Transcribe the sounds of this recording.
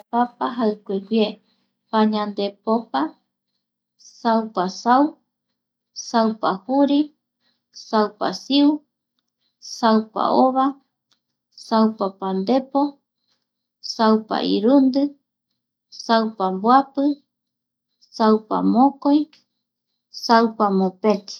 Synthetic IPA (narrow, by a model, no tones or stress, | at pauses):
papaɦakʷeɡʷje | paɲãnd̪epopa | sawpasaw | sawpahuɾi | sawpa̰siu | sawpa̰ʔoβa | sawpapand̪e̞po | sawpa̰ʔḭɾund̪ɨ | sawpambwapɨ | sawpa̰mõkoj | sawpamõpẽt̪i̥